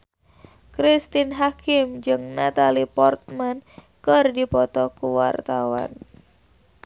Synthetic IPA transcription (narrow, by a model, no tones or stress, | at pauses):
kɾist̪inɦakimd͡ʒɨŋnat̪alipɔrt̪̚man | kɨrdipɔt̪ɔkuwa̰rt̪awa̰n